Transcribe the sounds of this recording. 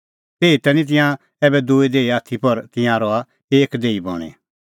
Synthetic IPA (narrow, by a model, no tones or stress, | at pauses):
t̪eːit̪ɛnĩt̪̬ɪ̃jã | ɛːbɛd̪uːid̪eːiaːt̪ʰipɐɾt̪ɪ̃jãɾɔa | eːkd̪eːibɔ̰ɽ̃ḛ